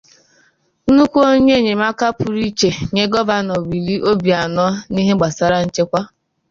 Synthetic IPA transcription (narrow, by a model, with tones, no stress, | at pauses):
u˦kʷo˦ɲe˦˨ɲe˨ma˦ka˦pu˨ɾi˦t͡ʃe˨ɲe˦ɡɔ˦va˦nɔ˨wi˨li˦ʔo˦bi˨a˨nɔ˦ni˦ɦe˦ɡ͡ba˨sa˦ɾa˦n̩˦t͡ʃe˦kʷa˦